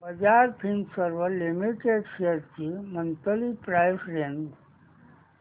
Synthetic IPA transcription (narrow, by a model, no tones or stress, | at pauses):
bəd͡ʑaɾpʰinsəɾʋəlimiʈeɖɕeɾt͡ɕimənt̪əlipɾajsɾend̪